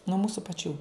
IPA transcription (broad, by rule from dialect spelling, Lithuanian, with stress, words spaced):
nuɔ ˈmuːsʊ pɐˈt͡ʃʲuː